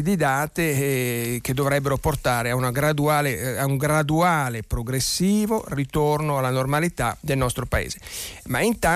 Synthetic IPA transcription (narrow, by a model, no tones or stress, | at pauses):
id̪id̪aːt̪e | ked̪ːovɾɛbːeɾoport̪aːɾeaunaɡɾad̪uaːleauŋɡɾad̪uaːlepɾoɡɾesːiːvorit̪ornoalːanormalit̪ad̪elnɔst̪ɾopaḛːzemaint̪a